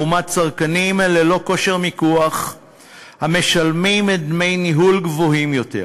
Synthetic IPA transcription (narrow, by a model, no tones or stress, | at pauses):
umatt͡saʁkanimlelo̞ko̞ʃe̞ʁmikuaχ | hame̞ʃalmimed̪me̞jniɦulɡvoɦimjo̞tḛ